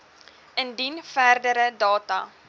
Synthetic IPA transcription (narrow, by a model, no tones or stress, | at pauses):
əndinfæːrdəɾədɑːtɐ̰